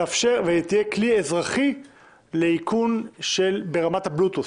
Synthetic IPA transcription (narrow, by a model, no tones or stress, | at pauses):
afʃe̞ʁvejet̪ijekliezʁaχi | le̞ikʰunʃelbe̞ʁamat̪hablut̪us